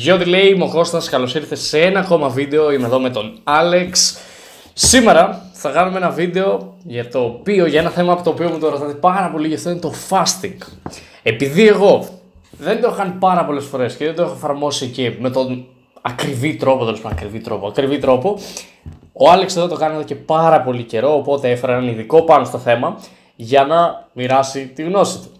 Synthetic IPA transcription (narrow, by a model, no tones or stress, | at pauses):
ʝot̪ile̞imo̞ko̞st̪ɐskɐlo̞siɾθe̞see̞nɐːko̞mɐvid̪e̞oimeðo̞me̞t̪o̞nɐle̞ksː | ime̞ɾɐ | θɐkɐnumee̞nɐvid̪e̞o̞ʝɐt̪o̞pio̞ʝɐe̞nɐθe̞mɐːpot̪oːpio̞mut̪oɾot̪ɐt̪epɐɾɐpo̞liʝɐft̪oinet̪o̞fɐst̪iŋɡ | e̞piðie̞ɣo̞ | ðe̞nd̪oexkɐnipɐɾɐpo̞le̞sfo̞ɾe̞sceðed̪oexoefɐɾmo̞sice̞me̞t̪o̞n | ɐkɾivit̪ɾo̞pot̪e̞lespanɐkɾivit̪ɾo̞poɐkɾivit̪ɾo̞po̞ | oɐleksðot̪o̞kɐnoðoce̞pɐɾɐpo̞lice̞ɾo̞ːpo̞t̪e̞efeɾɐenɐniðiko̞pɐnost̪o̞θe̞mɐ | ʝɐnɐmiɾɐsit̪iɣno̞sit̪u̥